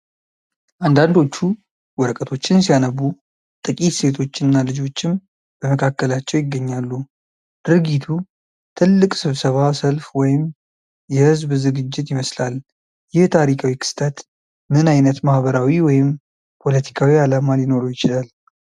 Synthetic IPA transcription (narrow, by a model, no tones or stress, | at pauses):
ʔand̪and̪o̞t͡ʃːu | wɔɾəkʼət̪ʰo̞t͡ʃːɪnsijanəβu | t̪ʼɨkʼit̪se̞t̪ʰo̞t͡ʃːɪnːalɨd͡ʒo̞t͡ʃːɪm | b̥əməkʰakːəlat͡ʃːɛwjɪɡːəɲːalːu | d̪̥ɨɾɡit̪ʰu | t̪ʰɨlːɨkʼsɨβsəβasəlfwɔjɪm | jɛhɨzbzɨɡɨd͡ʒːɪt̪jɪməslal | jɪht̪ʰaɾikʰawikʰɨ̥st̪ʰat̪ | mɨnajnət̪mahβəɾawiwɔjɪm | pʰo̞lət̪ʰi̥kʰawialamalɪno̞ɾujɪt͡ʃɪlal